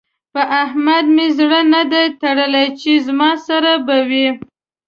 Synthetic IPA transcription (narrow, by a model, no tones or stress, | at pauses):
pəʔahmad̪mezɽənad̪ajt̪aɽəlajt͡ʃezmɑsaɾabawi